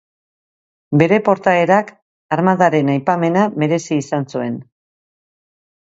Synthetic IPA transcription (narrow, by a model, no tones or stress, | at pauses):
be̞ɾe̞po̞ɾt̪aeɾak | aɾmaðaɾe̞najpame̞name̞ɾe̞siːsansue̞n